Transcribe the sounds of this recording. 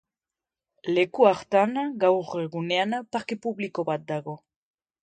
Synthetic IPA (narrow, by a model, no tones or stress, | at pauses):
le̞kuaɾt̪aŋɡawre̞ɣune̞anpaɾke̞puβliko̞βat̪̚d̪aɣ̞o̞